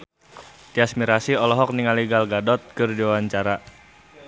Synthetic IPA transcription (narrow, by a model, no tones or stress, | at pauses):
t̪iasmiɾasiɔlɔɦɔk̚niŋaliɡalɡadɔt̪̚kɨrdiwawaɲt͡ʃaɾa